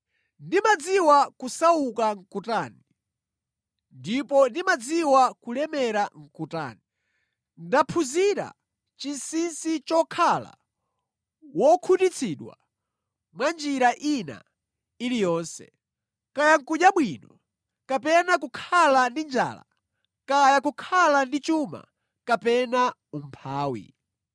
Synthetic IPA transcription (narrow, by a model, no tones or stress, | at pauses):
ndimad͡ziwakusaukaŋ̩kutaːni | ndipɔndimad͡ziwakulɛmɛɾaŋ̩kuta̰ːni | ndapʰuziɾa̰ | t͡ʃinsinsit͡ʃɔkʰala̰ | wɔkʰutit͡sʰiɗwa̰ | mwand͡ʒiɾaʔina̰ | ilijɔːnsɛ̰ | kajaŋ̩kuɲaɓwinɔ | kapɛnakukʰalandind͡ʒa̰ːla̰ | kajakukʰalandit͡ʃuma̰ | kapɛnaum̩pʰaːwḭ